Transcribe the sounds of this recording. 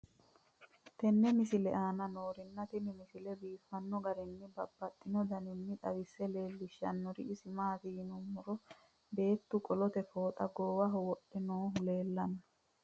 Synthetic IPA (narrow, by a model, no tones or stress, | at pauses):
t̪ɛnːɛmɪsɪlɛʔaːnɐnoːɾɪnːɐt̪ɪnɪmɪsɪlɛbiːfːɐnːɔɡɐɾɪnːɪbɐbːɐt̪ʼːɪnɔd̪ɐnɪnːɪt̪ʼɐ̰wɪsːɛle̞ːlːɪʃɐ̰nːɔɾɪ̰ɪsɪmaːt̪iːnʊmʊɾɔ | be̞ːt̪ːʊkʼɔlɔt̪ɛfo̞ːt̪ʼɐɡoːwɐɦɔwɔɗɛnoːɦʊle̞ːlːɐnɔ